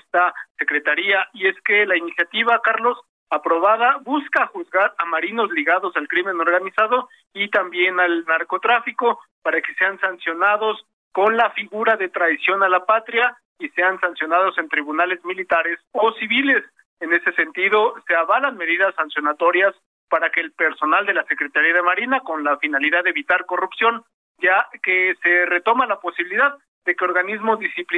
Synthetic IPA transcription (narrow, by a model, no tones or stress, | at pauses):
est̪ase̞kɾe̞t̪aɾiaʔie̞ske̞lainisjat̪iβakaɾlo̞s | apɾo̞βaðaβuskaxuzɣaɾamaɾino̞zliɣaðo̞salkɾime̞no̞ɾɣanisaðo̞ | it̪ambje̞nalnaɾko̞t̪ɾafiko̞paɾake̞se̞ansansjo̞naðo̞s | ko̞nlafiɣuɾaðe̞t̪ɾajsjo̞nalapat̪ɾja | ise̞ansansjo̞naðo̞se̞nt̪ɾiβunale̞zmilit̪aɾe̞so̞siβile̞s | ene̞se̞se̞nt̪iðo̞se̞aβalanme̞ðiðasːansjo̞nat̪o̞ɾjas | paɾakeːlpe̞ɾso̞nald̪e̞lase̞kɾe̞t̪aɾiaðemaɾinako̞nlafinaliðaðeβit̪aɾko̞rupsjo̞n | ake̞se̞re̞t̪o̞malapo̞siβiliðað | ðe̞keoɾɣanizmo̞zdisipl